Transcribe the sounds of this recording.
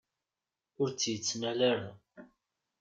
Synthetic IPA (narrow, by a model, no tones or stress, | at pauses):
ʊɾt͡sːjət͡sːnælaɾa